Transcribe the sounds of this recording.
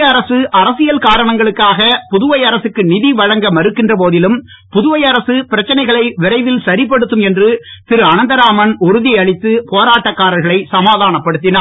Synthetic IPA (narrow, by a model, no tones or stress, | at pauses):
ɐɾɐsɯʔɐɾɐsɪjɐlkaːɾɐɳɐŋɡɐɭɯkːaːɣɐpʊðʊʋɐɪɐɾɐsɯkːɯnɪðiʋɐɻɐŋɡɐmɐɾɯkːɪndrɐpoːðɪlɯm | pʊðʊʋɐjɐɾɐsɯpɪɾɐt͡ʃːɐnɐɪɣɐɭɐɪʋɪɾɐɪʋɪlsɐɾɪpːɐɽɯt̪ːɯmɛndrɯp̪ɪɾɯɐnɐnd̪ɐɾaːmɐnʊɾɯðɪjɐɭɪt̪ːɯpoːɾaːʈːɐkːaːɾɐlɣɐɭɐɪsɐmaːðaːnɐpːɐɽɯt̪ːɪnaː